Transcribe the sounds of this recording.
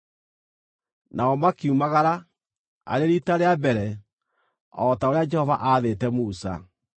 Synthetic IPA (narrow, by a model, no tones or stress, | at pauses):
naɔmakiumaɣaɾa | a̰ɾeɾitaɾeabɛɾɛ | ɔtaoɾead͡ʒɛhɔvaʔaðetɛmusa̰